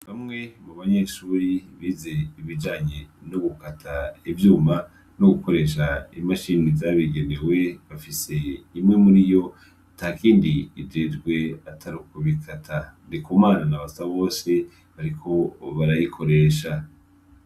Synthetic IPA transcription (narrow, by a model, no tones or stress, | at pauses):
βamŋe̞muβaɲe̞ʃuːɾiβiːze̞iβid͡ʒaːɲenoɡukatʰaivjuːma | noɡuko̞ɾe̞ʃaimaʃiːnizaβiɡe̞ne̞we̞βafise̞imŋe̞muɾijo̞ | tahkiːndiːɟed͡ʒɡwe̞atʰaɾukoβikʰatʰandikumaːnanaβasaβo̞ːse̞ | βaɾikʰo̞βaɾajikʰo̞ɾe̞ːʃa